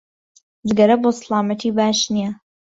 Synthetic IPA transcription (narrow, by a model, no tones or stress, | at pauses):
zɨɡɐɾɐboːslaːmɐt̪ʰiːbaːʃnijɐ